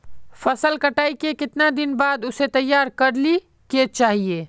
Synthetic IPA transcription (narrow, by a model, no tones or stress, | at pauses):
fɐsəlkɐʈaːikekɪt̪nad̪ɪnbaːd̪ʊset̪ɐjːaːɾkɐɾli | ket͡ʃaːɦieː